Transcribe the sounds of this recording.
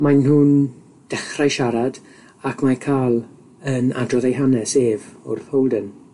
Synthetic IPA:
majnhuːn | d̥ɛχrajʃaɾad | akʰmakʰaːlˠ | əna̰drɔðejɦanɛseːvɔ̰rpʰowlˠdən

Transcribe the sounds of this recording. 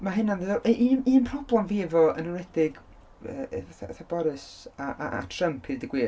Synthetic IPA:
maɦɨnanðɨðɔʔʔiːniːnpʰrɔblˠɛmviːvɔənənwɛdɪɡ | əvaθaaθabɔɾɨsaʔa̰a̰tʰrəmpʰɨrdɪɡwɪ

